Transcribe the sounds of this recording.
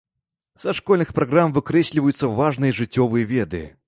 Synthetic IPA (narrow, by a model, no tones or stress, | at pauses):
zɐʂkɔlʲnɨxpɾaɣɾamvɨkɾɛsʲlʲivɐjut̪sːɐvaʐnɨjɐʐɨt͡sʲːɔvɨjɐvʲɛd̪ɨ̰